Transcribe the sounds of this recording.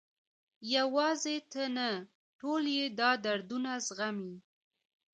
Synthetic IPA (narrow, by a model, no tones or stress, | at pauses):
jawɑzet̪əna | ʈoljed̪ɑd̪aɾd̪unazɣami